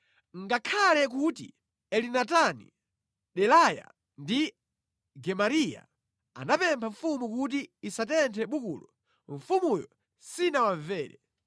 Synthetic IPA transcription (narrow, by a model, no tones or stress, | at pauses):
ŋɡakʰalɛk̬utḭ | ɛlinatanḭ | ɗɛlaja̰ | ndi | ɡɛmaɾija̰ | a̰napɛmpʰaɱfumukut̬iːsatɛntʰɛɓukṵːlɔ | ɱ̩fumujɔ | sinawaɱvɛːɾɛ̰